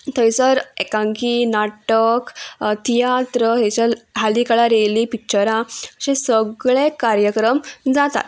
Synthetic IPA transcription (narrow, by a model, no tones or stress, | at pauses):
t̪ʰəjt͡səɾekãŋkinaʈəkt̪ʰijat̪ɾət̪əjt͡ɕəɦalikaɭaɾelipik̚t͡ɕəɾãəɕẽsəɡɭekaɾjəkɾəmd͡zat̪a̰t̪